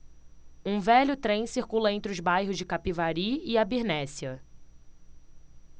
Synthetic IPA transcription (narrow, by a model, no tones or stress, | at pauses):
ũvɛʎʊt̪ɾẽj̃siɾkulɐẽnt̪ɾɪʊzbajɦʊzd͡ʒɪkapivaɾiɪabiɾnɛsiɐ